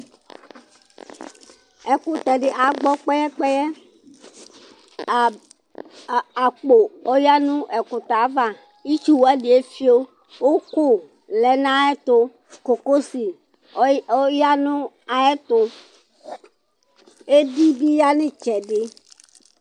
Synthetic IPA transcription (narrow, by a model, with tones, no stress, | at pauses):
ɛ˨kʊ˨t̪ɛ˨ɖɪ˨ʔa˨ɡ͡bɔ˦k͡pɛ˦jɛ˦k͡pɛ˦jɛ˦˨ | a˨k͡po˨o˦ja˦nũ˦ʔɛ˨kʊ˨t̪a˨˦va˦ | i˦t͡ʃu˦wa˦ɖi˨e˦fi˦o˦ | wo˦ko˦ | lɛ˨nã˦ɛ˦t̪ʊ˦ | ko˨ko˦si˨ | o˦ja˦nũ˦ | a˨ɛ˦t̪ʊ˦ | e˦bi˦bi˦ja˦nẽ˦t͡ʃɛ˨ɖɪ˦